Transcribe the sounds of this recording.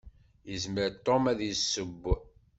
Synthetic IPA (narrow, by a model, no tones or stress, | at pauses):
jəzməɾt̪ˤːomæðjəsːəbː